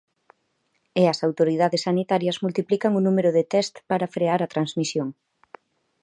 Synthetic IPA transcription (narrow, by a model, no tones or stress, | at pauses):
eɐsawt̪oɾiðaðesːanit̪aɾjɐzmult̪iplikɐŋunumeɾʊðet̪ɛst̪paɾɐfɾeaɾɐt̪ɾanzmisjoŋ